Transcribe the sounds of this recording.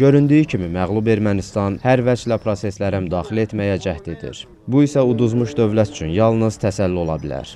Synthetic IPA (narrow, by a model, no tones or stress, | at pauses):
ɟø̞ɾynd̪yjicʰimimæɣlˠube̞ɾmænist̪ɑnhæɾvæd͡ʒlæpʰɾose̞slæɾæmyd̪ɑːχxilie̞t̪mæjæd͡ʒæht̪ed̪ḭɾ | buisæud̪uzmuʃd̪ø̞vlæt̪y̥t͡ʃʰynjɑlˠnɯz̥t̪ʰæsælːio̞lˠɑbilæ̰ɾ